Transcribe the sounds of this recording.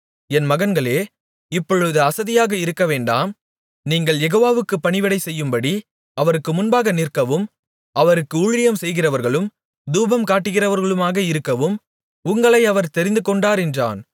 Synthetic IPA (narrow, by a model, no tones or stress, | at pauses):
ɛnmɐɣɐnɡɐɭeː | ɪpːɔɻɯðɯɐsɐðɪjaːɣɐɪɾɯkːɐʋeːɳɖa̰ːm | niːŋɡɐɭjɛɣoːʋaːʋɯkːɯpːɐɳɪʋɪɽɐɪsɛjːɯmbɐɽi | ɐʋɐɾɯkːɯmʊnbaːɣɐnɪrkːɐʋɯm | ʔɐʋɐɾɯkːɯʊɻɪjɐmsɛjɣɪrɐʋɐɾɣɐɭɯm | d̪uːbɐmkaːʈːɯɣɪrɐʋɐɾɣɐɭɯmaːɣɐɪɾɯkːɐʋɯm | ʊŋɡɐɭɐɪɐʋɐɾt̪ɛɾɪnd̪ɯkɔɳɖaːɾɛndra̰ːn